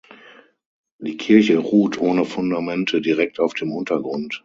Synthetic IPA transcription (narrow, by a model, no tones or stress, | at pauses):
d̥iːkʰɪɐçəʁuːtʰʔoːnəfʊndamɛntʰədiʁɛk̚taʊfd̥eːmʔʊntɐɡʁʊnt